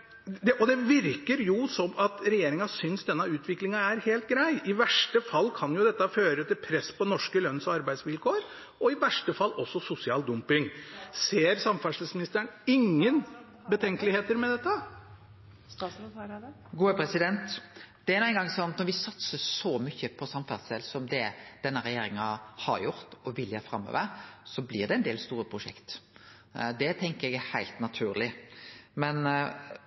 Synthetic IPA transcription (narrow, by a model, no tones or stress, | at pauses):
d̪ɛʔɔd̪ɛʋɪɾkəɾjʊsɔmɑt̪ɾɛjeːɾɪŋɑsʏnsd̪ɛnːɑʉːt̪ʰʋɪklɪŋɑæɾheːlt̪̚ɡɾæɪɪʋæʂʈəfɑlːkʰɑnjʊd̪ɛt̪ːɑføːɾət̪ɪlpʰɾɛsːpɔnɔʂkəlœnːsɔɑɾbæɪsʋɪlkʰoːɾ | ɔɪʋæʂʈəfɑlːɔsːɔsʊsɪɑːld̪ʊmpɪŋseːɾsɑmfæʂləsmɪnɪst̪əəɳɪŋːən | bət̪ʰɛŋkəlɪheːt̪əɾmɛd̪ɛt̪ːə | ɡuːəpʰɾɛsɪd̪ɛnt̪d̪̥ɛæɾnuɛnɡɑŋsɔnt̪nɔɾʋɪsɑt̪səsɔmʏçːəpʰɔsɑmfæsɛlsɔmd̪ɛd̪̥ɛnːəɾɛjeːɾɪŋɑhɑ̰ɾjʊɾt̪ɔʋɪlːjœːfɾɑmːø̰ːʋəɾsɔblɪd̪ɛɛnd̪eːlst̪uːɾəpʰɾʊʂɛ̰kt̪ | d̪ɛt̪ʰɛŋkəɾɛɡæhæɪlt̪nɑt̪ʰʉːɾlɪmɛn